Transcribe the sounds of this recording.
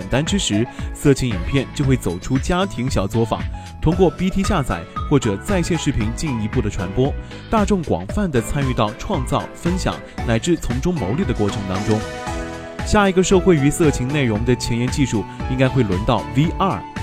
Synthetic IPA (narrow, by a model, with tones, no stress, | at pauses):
nt̪a˥nʈ͡ʂɻ̩˥ʂɻ̩˧˥sɤ˥˩t͡ɕʰi˧˥ŋi˨˩npʰjɛ˥˩nt͡ɕjo˥˧ʊxwe˥˩ɪt͡so˨˩ʊʈ͡ʂʰu˥t͡ɕja˥t̪ʰi˧˥ŋɕjɑ˨˩ʊt͡swɔ˥˩fa̰˨˩ | t̪ʰʊ˥ŋkwɔ˥˧pi˥t̪ʰi˥ɕja˥˩t͡sʰa̰˨˩˦ɪxwɔ˥˩ʈ͡ʂɤ˨˩t͡sa˥˧ɪɕjɛ˥˧nʂɻ̩˥˩pʰi˧˥ŋt͡ɕi˥˩ŋi˧˥pu˥˩d̪ə˩ʈ͡ʂʰwa̰˧˥npwɔ˥ | t̪a˥˧ʈ͡ʂʊ˥˩ŋkwɑ̰˨˩ŋfa˥˩nd̪ə˩t͡sʰa˥ny˥˧t̪ɑ˥˧ʊʈ͡ʂʰwɑ˥˧ŋt͡sɑ˥˩ʊfə˥nɕjɑ̰˨˩˦ŋla˧˥ɪʈ͡ʂɻ̩˥˩t͡sʰʊ˧˥ŋʈ͡ʂʊ˥ŋmo˧˥ʊli˥˩d̪ə˩kwɔ˥˩ʈ͡ʂʰɤ˧˥ŋt̪ɑ˥ŋʈ͡ʂʊ˥ŋ | ɕja˥˩i˧˥ɡə˧ʂɤ˥˧xwe˥˩ɪy˧˥sɤ˥˩t͡ɕʰi˧˥ŋne˥˩ɪɻʊ˧˥ŋd̪ə˧t͡ɕʰjɛ˧˥njɛ˧˥nt͡ɕi˥˧ʂu˥˩i˥ŋka˥ɪxwe˥˩ɪlwə˧˥nt̪ɑ˥˩ʊwi˥ʔa˥˩